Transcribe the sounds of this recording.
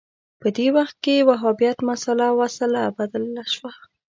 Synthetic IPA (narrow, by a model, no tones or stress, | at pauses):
pəd̪ewaxt̪̚kewaɦɑbijat̪masalawasəlabad̪əlːaʃwa